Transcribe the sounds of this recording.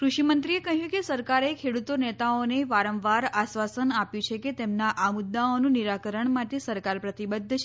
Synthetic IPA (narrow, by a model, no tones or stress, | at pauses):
kɾuʃimənt̪ɾiekəɦjũkesəɾkaɾekʰeɽut̪onet̪aoneʋaɾəʋʋaɾasʋasənapjũt͡ʃʰeket̪emnaʔamʊd̪ːaonũniɾakəɾəɳmaʈ̪esəɾkaɾpɾət̪ibəd̪ʱːət͡ʃʰ